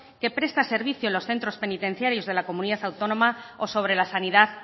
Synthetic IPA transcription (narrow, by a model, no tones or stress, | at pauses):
ke̞pɾe̞st̪ase̞ɾβ̞iθjolo̞sθe̞nt̪ɾo̞spe̞nit̪e̞n̟θjaɾjo̞zðe̞lako̞mũniðaθawt̪o̞nõ̞mao̞so̞β̞ɾe̞lasaniðaθ